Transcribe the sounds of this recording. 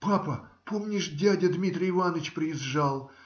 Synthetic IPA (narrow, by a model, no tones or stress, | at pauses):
papəpʰo̞mnʲɪʂdʲædʲəd̪mʲit̪ɾʲɪɪvanət͡ɕpɾʲɪɪzʐalˠ